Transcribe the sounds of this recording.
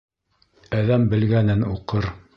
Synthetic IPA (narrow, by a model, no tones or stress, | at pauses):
æðæmbɘ̆lɡænɘnuqɤɾ